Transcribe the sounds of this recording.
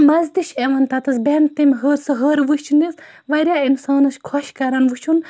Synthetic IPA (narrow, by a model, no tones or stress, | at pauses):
mɐzd̪iʃeʋɐnt̪ɐt̪ɐsbent̪imʲɦəːɾsɨɦəːɾʋɨʃt͡ʃʰunis | ʋɐɾʲjaːinsaːnɐskʰɔʃkɐɾɐnʋɨt͡ʃʰun